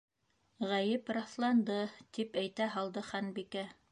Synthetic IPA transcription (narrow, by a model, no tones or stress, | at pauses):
ʁæjɘpɾɑθlˠɑnd̪ɤt̪ipæjt̪æɦɑlˠd̪ɤχænbikæ